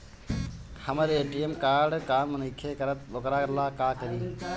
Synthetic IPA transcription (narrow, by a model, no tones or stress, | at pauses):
həməɾeːʈiemkaːɾɖkaːɾmənikʰːekɐɾət̪̚bokɾaːkɐɾlaːkaːkəɾiː